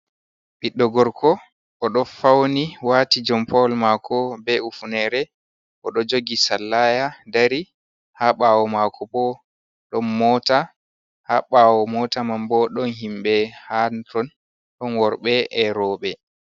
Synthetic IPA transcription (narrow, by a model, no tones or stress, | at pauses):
ɓiɗːɔɡɔɾkʰɔ | ʔɔɗɔfawniwaːtid͡ʒɔmpʰɔlmakʰɔbɛufunɛɾɛ | ʔɔɗɔd͡ʒoɡisalːajadaɾi | haɓawɔmakʰɔɓɔ | ɗɔnmɔta | haɓawɔmɔtamambɔɗɔnɦimɓɛhantɔn | ɗɔnwɔɾɓɛɛɾɔːɓɛ